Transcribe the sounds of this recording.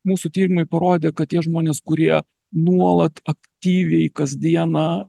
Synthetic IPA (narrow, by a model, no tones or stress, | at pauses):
muːsʊt̪ʲiːɾʲɪmɐɪpɐɾoːd̪ʲeːkɐt̪̚tʲiɛʒmoːnʲeːskʊɾʲiɛ | nuɔlˠɐt̪ɐkt̪ʲiːʋʲɛɪkɐzʲd̪ʲiɛnɑ